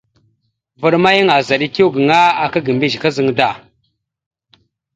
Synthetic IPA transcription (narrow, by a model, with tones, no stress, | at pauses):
və˨ɗma˦jə˦ŋa˨za˨ɗi˦ki˦wɡə˨ŋa˦a˨ka˦ɡi˨mbi˦ʒka˦zə˨ŋda˦˨